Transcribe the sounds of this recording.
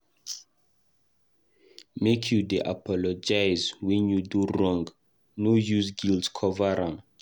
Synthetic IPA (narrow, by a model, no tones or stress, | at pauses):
mekʰjudeʔa̰pʰɔlɔd͡ʒajzwɛ̃njudurɔ̃ŋɡ | nojuzɡildkʰɔvaɹãŋ